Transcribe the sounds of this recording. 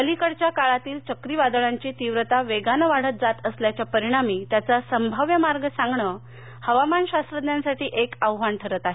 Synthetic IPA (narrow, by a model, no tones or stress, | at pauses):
əlikəɽt͡ɕjakaɭat̪iːlt͡ɕəkɾiːʋad̪əɭaɲt͡ɕiːt̪iʋɾət̪aʋeɡanəʋaɽ̤ət̪̚d͡zat̪əsljat͡ɕjapəɾiɽ̃amiːt̪jat͡sasəmbʱəʋjəmaɾɡsãŋɡɳə | həʋamanɕast̪ɾəd̪njãnsaʈiːʔekəwʋaɳʈʰəɾət̪aɦe